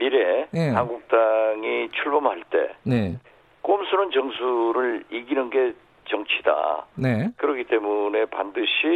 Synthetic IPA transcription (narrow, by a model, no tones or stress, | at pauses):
miɾe̞nehanɡuk̚t͈aŋit͡ɕʰuɭbʌmhaɭt͈e̞̰ne | k͈omsʰunɯnt͡ɕʌŋsʰuɾɯɭiɡinɯnɡe̞ | t͡ɕʌŋt͡ɕʰida̰nekɯɾʌkʰit͈e̞mune̞pa̰ndɯɕʰi